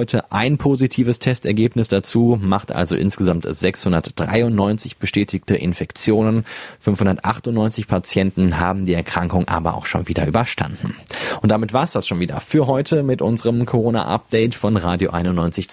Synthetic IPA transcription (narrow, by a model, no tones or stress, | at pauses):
ɔʏtʰəʔaɪnpʰoːzitʰiːvəstʰɛstɛɐɡeːpnɪsd̥at͡suːmaχtʔa̰lzo̰ʔɪ̰nsɡ̥əzamtz̥ɛkshʊndɐtd̥ʁa̰ɪʊntnɔʏnt͡sɪçb̥əʃtɛːtʰɪktəʔɪ̰nfɛkt͡sjoːnənfʏnfhʊndɐtʔaχtʊntnɔʏnt͡sɪçpʰat͡sjɛntn̩ɦa̰ːbm̩diːɛɐkʁ̥aŋkʊŋʔa̰ːbɐ̰ʔa̰ʊxʃo̰ːnviːdɐʔyːbɐʃtʰa̰ndn̩ʔʊntd̥amɪtv̥aːɐsd̥asʃoːnviːdɐ̰fyːɐɦɔʏtʰəmɪtʔʊnzəʁəmkʰoʁoːna̰ʔa̰p̚d̥ɛɪtfɔnʁaːdjo̰ʔaɪnʊnːɔʏnt͡sɪç